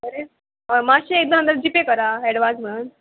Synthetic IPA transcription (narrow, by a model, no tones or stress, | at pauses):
əɾe | əmaɕiek̚d̪ə̃ɦənd̪əɾd͡ʑipekəɾaɦɛɽʋad͡zm̤əɭn